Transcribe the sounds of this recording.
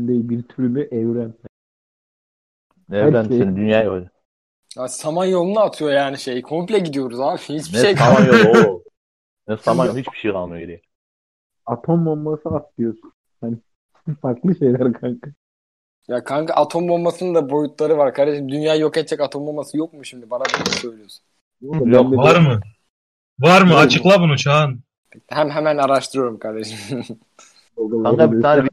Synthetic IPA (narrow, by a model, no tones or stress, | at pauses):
nd̪ejibiɾt̪ʰyɾylʲyʔɛvɾæn | ɛaɾnnd̪ynjaːjol | asamanjo̞lˠunaːt̪ʰɯjo̞jaːniʃejkʰo̞mplʲɛɟid̪ijo̞ɾuzat͡ʃʰnhit͡ʃbiejamanjolˠo | nɛsamanjoɦit͡ʃbi̥ʃejalnːɯjojeɾijɛ | at̪ʰo̞mːommasɯat̪lˠɯjosun | hani | faɾklˠɯʃejlʲæɾkʰaŋkʰɯ | jakʰaŋkʰɯʔat̪ʰo̞mbo̞mmːasɯnɯnd̪abo̞jut̪lˠaɾɯvaɾkʰaɾd̪eʃimd̪ynjaːjokɛt̪̚t͡ʃɛkat̪ʰo̞mbolmasɯjo̞k̚muʃimd̪ibanabisøjlʲijosu̥n | unbɛlːeaɾmɯ | vaɾmɯat͡ʃʰɯklˠabunut͡ʃʰanʰ | ect̪ɦæmɦɛmænaɾaʃt̪ʰɯɾɯjo̞ɾumkʰaɾd̪eʃim | bolˠɡalˠakab̪aɾ